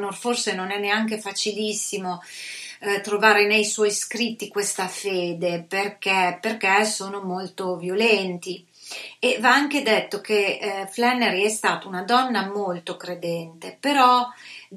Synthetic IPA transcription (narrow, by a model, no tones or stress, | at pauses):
norforsenonɛnːeaŋk̬efat͡ʃilisːimo | t̪ɾovaːɾenejswɔjskɾit̪ːikwest̪afeːd̪eperk̟ɛperk̟esoːnomolt̪ovjolɛnt̪i | evaaŋk̟ed̪et̪ːok̟eflɛnːeɾiɛst̪aːt̪aunad̪ɔnːamolt̪okɾed̪ɛnt̪epeɾɔ